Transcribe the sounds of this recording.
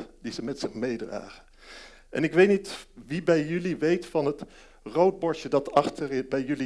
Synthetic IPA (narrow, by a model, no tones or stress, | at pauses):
dizəmɛtsɪχmejdra̰ːχən | ʔɛ̰nɪkʋejtnitʋibɛjjʏliʋejtfɑnɦət | rowd̚bɔɹʃədɑtɑχtəɹbɛjɵli